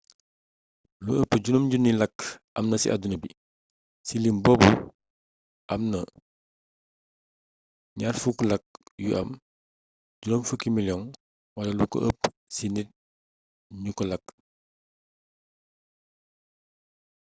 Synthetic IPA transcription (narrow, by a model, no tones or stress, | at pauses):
luəpːəɟunomɟunːilɐk | ɐmnɐsḭʔa̰dunɐbḭ | silimbɔːbu | ʔɐmnɐ | ɲaːrfuklɐk̚juʔɐ̰m | ɟunomfəkimiljɔŋ | wɐlɐluko̰ə̰pː | sinit̚ | ɲukɔlɐk̚